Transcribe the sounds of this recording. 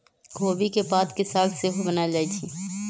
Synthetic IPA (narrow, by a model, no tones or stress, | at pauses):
ɡʱoːbikepaːt̪kesaːlseɦobɐnad͡ʒaːit͡ʃʰiː